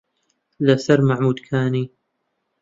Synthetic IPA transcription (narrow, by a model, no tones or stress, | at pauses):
lasɐɾmaʕmuːd̪kʰaːniː